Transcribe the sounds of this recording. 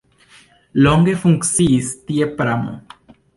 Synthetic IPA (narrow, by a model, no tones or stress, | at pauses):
loŋɡe̞fuŋksiːst̪iepɾamo̰